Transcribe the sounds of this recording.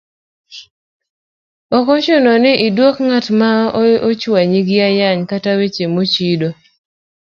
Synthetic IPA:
ɔkɔt͡ʃʊnɔnɪʔɪdwokŋatmaot͡ʃwaɲiɡɪajaɲkatawet͡ʃemot͡ʃido

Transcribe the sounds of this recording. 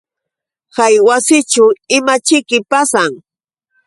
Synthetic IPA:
kajwasɪt͡ʃʊɪmat͡ʃɪkɪpasaŋ

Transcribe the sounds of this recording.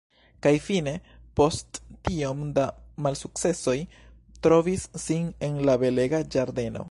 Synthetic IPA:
kajfine̞po̞stːiomdamalsuk̚t͡se̞so̞j | tɾo̞visːine̞nlabe̞le̞ɡad͡ʒaɾde̞no̞̰

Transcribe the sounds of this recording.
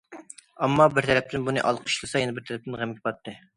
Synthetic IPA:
ɑmːɑbɪɾt̪ʰɛɾɛp̚t̪ɪnbunɨ̰ʔɑlˠqʰə̥ʃlˠɨsɑjɛnɛbɪɾt̪ʰɛɾɛp̚t̪ɪnʁæmɡʲɪ̥pɑt̪ːɨ

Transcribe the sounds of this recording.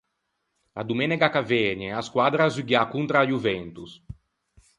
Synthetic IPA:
a̰d̪umɛnɛɡakavɛɲɛaskwad̪ɾazuɡjakunt̪ɾajuvɛnt̪us

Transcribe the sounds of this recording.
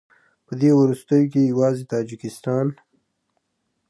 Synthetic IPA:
pəd̪ewɾust̪əjok̬ejawɑzet̪ɑd͡ʒɪkɪst̪ɑn

